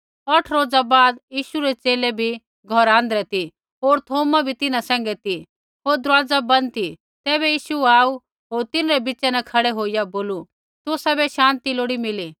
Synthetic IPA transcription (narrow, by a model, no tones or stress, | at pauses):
ɔʈʰɾoːd͡zabaːd̪jiːʃuɾɛt͡ʃeːlebʱi | ɡʱɔɾãːnd̪ɾɛt̪i | ɦoːɾt̪ʰoːmabʱit̪ɪnasɛ̃ːŋɡɛt̪i | ɦoːɾd̪ɾwaːd͡zabɐ̃nt̪i | t̪ɛːβɛjiːʃuaːu | ɦoːɾt̪ɪnɾɛbɪt͡ʃɛnɛkʰɐɽɛɦoːijaboːlu | t̪ʊsabɛʃãːnt̪iloːɽimɪli